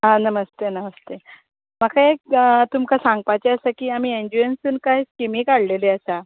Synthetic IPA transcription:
ɦãnəməst̪enəməst̪e | məkʰaek̚ət̪umkasãŋɡ̚pat͡ɕeəsakiːamiːeɲd͡ʑuensunkaɦiskemikaɽ̤leleəsa

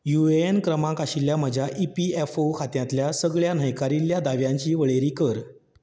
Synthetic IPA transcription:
jueenkɾəmãkaɕilːjam̤əd͡ʑʱjaʔipiefokʰat̪jãt̪ljasəɡɭjan̤əjkaɾiljad̪aʋjãɲt͡ɕiːʋəɭeɾiːkəɾ

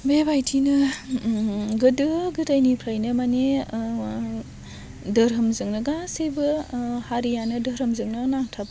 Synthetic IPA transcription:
bebajtʰinɯ | ɡɯdɯɡɯtajnipʰɾajnɯmane | dɐɾɐmzɯŋnɯɡasibɯhaɾijanɯdɐɾɯmzɯŋnɯnaŋtʰab

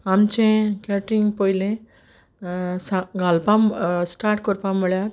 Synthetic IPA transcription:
amt͡ʃʰẽkaʈɾiŋɡpɔjlẽ | sãɡalpamsʈaɾʈkɔɾpaməɭjaɾ

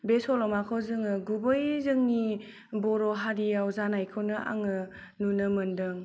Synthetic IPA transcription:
besɔlɔmakʰɔzɯŋɯɡubɯjzɯŋni | bɔɾɔɦaɾiawzanajkʰɯwnɯʔa̰ŋɯ | nunɯməndɯŋ

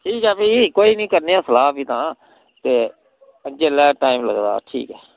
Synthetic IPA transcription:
ʈʰiːkɛːpiːkoːiːnĩːkəɾneːãːsəlaːpiːt̪ãː | t̪eː | əd͡ʒeːlɛːʈaːiːmlə̰ɡd̪a̰ːʈʰḭːkɛː

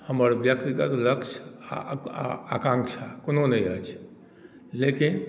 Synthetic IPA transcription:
həməɾbjəkt̪iɡət̪ləkʃa̰ | akãŋkʃakononəiət͡ʃʰ | lekin

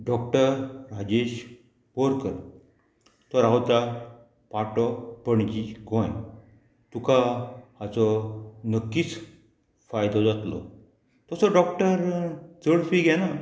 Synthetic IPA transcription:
ɖɔkʈəɾɾad͡ʑeɕ | pɔɾkəɾ | t̪ɔɾawt̪a | paʈɔpəɳd͡ʑiɡʱɔ̃j | t̪ukahat͡sɔnəkːiːt͡s | fajd̪ɔd͡zat̪lɔ̰ | t̪ɔsɔɖɔk̚ʈəɾt͡səɽfiɡɛna

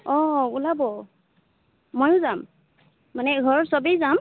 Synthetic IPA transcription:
ɔulabɔ | mɔjʊzam | manɛɡʱɔɹɔɹsɔbijzam

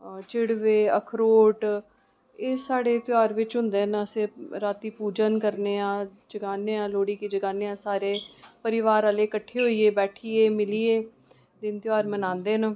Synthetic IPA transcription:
t͡ʃɪɽʋeːəkʰɾoːʈ | eːsaːɽeːt̪ɪaːɾʋɪt͡ʃɦʊ̃nd̪eːnəsẽːɾaːt̪iːpuːd͡ʒənkəɾneːãːd͡ʒəɡaːneːãːloːɽiːkiːd͡ʒəɡaːneːãːsaːɾeːpəɾɪʋaːɾaːleːkəʈʰːeːɦoːiːeːbɛːʈʰiːeːmɪliːeː | d̪ɪnt̪ɪaːɾmənãːnd̪eːn

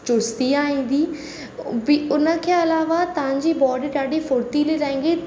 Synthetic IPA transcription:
t͡ɕʊst̪iaːɦĩːn̆d̪iː | bɪʊnə̆kʰeːɐlaːʋat̪ɐʋ̤ãɲd͡ʑiːbɔːɖɪɖaːɗifʊɾt̪iliɾaːĩːŋ̆ɡe

